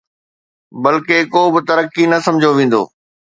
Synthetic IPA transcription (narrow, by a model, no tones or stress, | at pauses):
bɐlkekoːbɪt̪ɐɾəkinɐsɐ̃md͡ʑʱoʋẽːn̆d̪o̰ː